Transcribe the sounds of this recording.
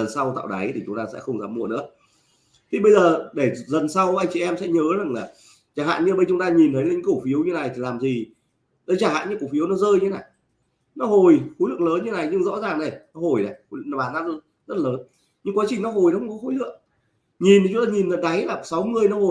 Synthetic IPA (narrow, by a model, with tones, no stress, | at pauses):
ə˨˩nsa˧wt̪a̰ː˧˨wɗa˨˦jt̪ʰi˨˩t͡ɕʊ˨˦ŋ͡mt̪aː˧sɛ̰˧˥xə˧wŋ͡mzaː˨˦mːṵ˧˨ənɨ̰˧˥ə | t̪ʰi˨˩ɓə˧jzəː˨˩ɗe˧˩zə˨˩nsa˧wʔa˧jŋ̟t͡ɕi˧ʔɛ˧msɛ̰˧˥ɲəː˨˦za˨˩ŋlaː˨˩ | t͡ɕaː˧˩ɦa̰ː˧˨nɲɨ˧˨˧ɓə˧nt͡ɕʊ˨˦ŋ͡mt̪aː˧ɲi˨˩nt̪ʰə˨˦jlːa˨˩ɲɨ̰˧˦ko˧˩fi˨˦əwɲɨ˧na˨˩jt̪ʰi˨˩laː˨˩mzi˨˩ | ɗɔ˨˦t͡ɕaː˧˩ha̰ː˧˨ɲɨ˧ŋko˧˩fi˨˦əwnɔ˨˦zəː˧jɨ˧e˨˦na˨˩j | nɔ˨˦ɦo˨˩jxo˨˦jlɨ̰˧˨əŋləː˨˦nɲɨ˧˦na˨˩jɲɨ˧ŋzɔ̰˧˥zaː˨˩ŋnə˨˩jnɔ˨˦ɦo˨˩jna˨˩jɓaː˨˩naː˧˦z̚ | zə˦˥t̚ləː˨˦n | ɲɨ˧ŋkwaː˨˦t͡ɕï˨˩ŋ̟nɔ˨˦ɦo˨˩jnɔ˨˦xə˧ŋ͡mkɔ˨˦xo˧˨˦jlɨ̰˧˨əŋ | ɲi˨˩nt̪i˨˩t͡ɕu˨˦ŋ͡mt̪aː˧ɲi˨˩nzə˨˩nɗa˨˦jlaː˨˩˨sa˨˦wŋɨ˨˩əjnɔ˨˦ho˨˩j